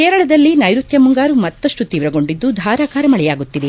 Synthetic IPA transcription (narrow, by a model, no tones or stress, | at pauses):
kɛːɾɐɭɐd̪ɐlːinɐjɾut̪jɐmuŋɡaːɾumɐt̪ːɐʂʈut̪iːʋɾɐɡo̞ɳɖid̪ːud̪ʱaːɾaːkaːɾɐmɐɭɛjaːɡut̪ːid̪e